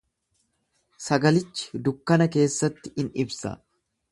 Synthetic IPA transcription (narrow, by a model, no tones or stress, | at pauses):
sɐɡɐlɪt͡ʃːɪ̥d̪ʊkːɐnɐke̞ːsːɐt̪ːɪ̥ɪnɪbsɐ̰